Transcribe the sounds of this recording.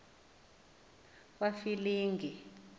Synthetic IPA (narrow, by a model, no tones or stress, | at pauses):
wafiliːŋɡʱi